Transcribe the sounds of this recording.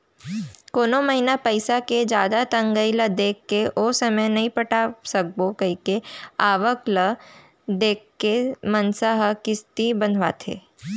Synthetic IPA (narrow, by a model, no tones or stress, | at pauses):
koːnoməɦinapəɪsaked͡ʒjaːd̪at̪ɐ̃ŋɡəiləd̪eːkːeʔoːsəməjnɐɦĩpɐʈasɐk̚bokɐikeaːʋəklə | d̪eːkːemənsaɦkɪst̪ibənʱʋat̪ʰḛː